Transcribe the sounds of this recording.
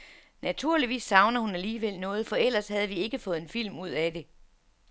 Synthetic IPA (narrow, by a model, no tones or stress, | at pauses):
næt͡sʰuɐ̰liʋḭːsːɑ̈ʊnɐhunæliːʋel̰nɔ̽ːð̞̩ˠfɒ̽el̰ɐshæð̞̩ˠʋie̝ɡ̥əfɔ̽ːð̩ˠe̝nfil̰muð̞̰ˠæd̥e̝